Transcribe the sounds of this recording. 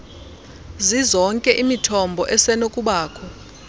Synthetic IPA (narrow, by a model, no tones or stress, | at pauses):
zizɔŋkʼɛʔimitʰɔmbʱɔʔɛsɛnokʼuɓaːkʰɔ